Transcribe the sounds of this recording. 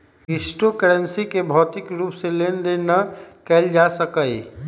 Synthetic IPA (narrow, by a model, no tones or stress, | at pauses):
ɪsʈokəɾənsikebʱɔːt̪ɪkɾuːpseleːnd̪enəkɛld͡ʒasəkəi